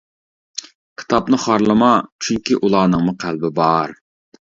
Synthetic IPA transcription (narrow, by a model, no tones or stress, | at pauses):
kʲʰi̥t̪ʰɑpnɨχɑɾlˠɨmɑt͡ʃʰyŋkʲiʔulˠɑːnɨŋmʊqʰælbɪbɑɾ